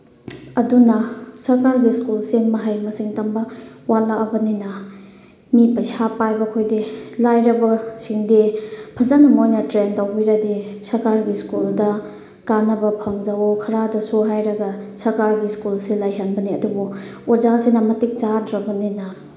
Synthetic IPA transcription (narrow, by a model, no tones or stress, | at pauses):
ɐdunɐsɐɾkaɾɡiskulsimɐɦajmɐsiŋtɐmbɐwalaɐbɐninɐ | mipɐjsapajbɐkʰojdilajɾɐbɐsiŋdipʰɐzanɐmojnɐtɾentawbiɾɐdisɐɾkaɾɡiskuldɐ | kanɐbɐpʰɐŋzawokʰɐɾadɐsoɦajɾɐɡɐsɐɾkaɾɡiskulsilajɦɐnbɐniɐdubuod͡ʒasenɐmɐtik̚t͡ʃadɾɐbɐninɐ